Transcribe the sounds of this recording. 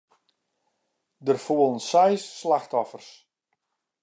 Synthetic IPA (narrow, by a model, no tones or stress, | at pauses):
dərfuəlˠənsɛjsːlaxtɔfərs